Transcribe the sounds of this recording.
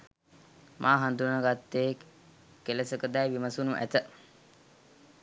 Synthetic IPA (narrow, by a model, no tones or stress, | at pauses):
mʔaːɦand̪unnəɡat̪ːeː | kelesəkəd̪ɛjʋiməsunuʔæ̰t̪ə